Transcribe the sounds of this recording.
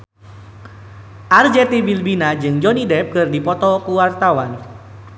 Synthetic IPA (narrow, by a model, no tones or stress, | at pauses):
ʔard͡ʒɛt̪ibilbinad͡ʒɨŋd͡ʒɔnidɛp̚kɨrdipɔt̪ɔkuwart̪awan